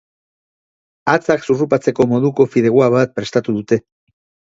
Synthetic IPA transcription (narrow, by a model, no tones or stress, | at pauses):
at͡saksurupat͡se̞ko̞mo̞ðuko̞fiðe̞ɣwaβat̪̚pɾe̞st̪at̪uðut̪e̞